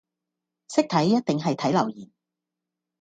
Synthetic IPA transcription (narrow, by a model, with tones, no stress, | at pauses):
sɪ˥k̚t̪ʰɐ˨˥jːɐ˥t̚t̪ɪ˨ŋɦɐ˨jt̪ʰɐ˨˥jlɐ˨˩wjiː˨˩n